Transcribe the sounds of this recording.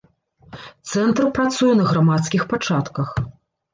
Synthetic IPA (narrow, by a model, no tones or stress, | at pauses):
t̪sɛnt̪rpɾat̪sujɛnɐɣɾamat̪skʲixpat͡ʂat̪kɐx